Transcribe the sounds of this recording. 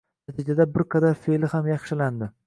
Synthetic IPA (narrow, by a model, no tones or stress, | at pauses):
nat̪ʰid͡ʒad̪abɪɾkʰɑd̪afelɪhamjɑχʃɪland̪ɪ